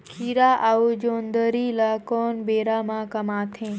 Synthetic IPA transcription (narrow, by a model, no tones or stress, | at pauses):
kʰiːɾaʔaːud͡ʒoːnd̪əɾiːlakɔːnbeːɾamãkɐmaːt̪ʰẽː